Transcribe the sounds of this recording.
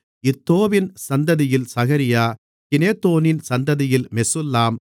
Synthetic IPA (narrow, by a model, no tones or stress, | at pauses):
ɪt̪ːoːʋɪnsɐnd̪ɐðɪjɪlsɐɣɐɾɪjaː | kɪneːt̪ːoːnɪnsɐnd̪ɐðɪjɪlmɛsɯlːaːm